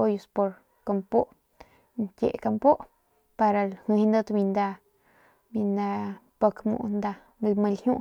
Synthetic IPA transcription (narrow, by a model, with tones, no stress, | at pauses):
o˦jo˧spo˧ɾ | ko˧mpo˦ʔ | ntʲḛ˨ʔka˧mpo˦ʔ | pa˧ɾa˧lhĩ˧hnd̪ə˦t̪bĩ˧nd̪a˧ | bĩ˧nd̪a˧ | po˧kmṵ̃˧ʔnd̪a˧ | lmə̃˧lhjũ˦˧ʔ